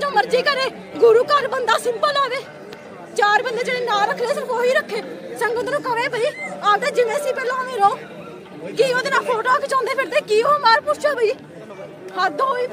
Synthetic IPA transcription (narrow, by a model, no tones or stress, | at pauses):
d͡ʒõːməɾd͡ʒiːkəɾeː | ɡʊɾuːkəɾbənd̪aːsɪmbəlaːʋeː | t͡ʃaːɾbənd̪eːd͡ʒeːɽeːnãːɾəkʰːleːsəɾfoːɦiːɾəkʰːeːsə̃ŋɡod̪eːnũːkəʋeːbəiːaːpd̪eːd͡ʒɪnẽːsiːpɛːlãːɦoʋẽːɾəõː | kiːoːd̪eːnaːpʰoːʈoːkʰet͡ʃãːnd̪eːpʰɪɾd̪eːkiːoːmaːɾpʊt͡ʃaːbəiː | həd̪ɦoːiː